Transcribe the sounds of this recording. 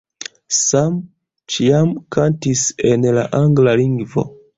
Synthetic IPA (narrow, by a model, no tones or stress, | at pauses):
sam | t͡ʃiamkantise̞nla̰ʔaŋɡlaliŋɡvo̞̰